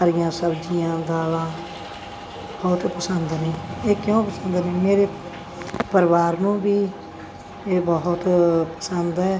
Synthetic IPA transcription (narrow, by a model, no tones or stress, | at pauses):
əɾɪjãːsəbd͡ʒijãːd̪aːlãː | bɔɦʊt̪pəsənd̪nĩːeːkjõpəsə̃nd̪nĩːmeːɾe | pəɾɪʋaːɾnũːbiː | eːbəɦʊt̪pə̥sənd̪ɛː